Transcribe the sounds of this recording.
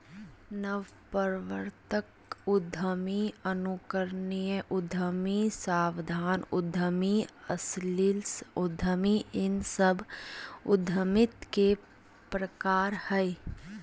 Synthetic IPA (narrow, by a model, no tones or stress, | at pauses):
nəʋ | pəɾʋəɾt̪ək | ʊd̪ʱəmiənukəɾnijəʔʊd̪ʱəmisaːwd̪ʱaːnʊd̪ʱəmiəslilsʊd̪ʱəmiɪnsəbʊd̪ʱəmɪt̪ke | pɾəkaːɾhɛ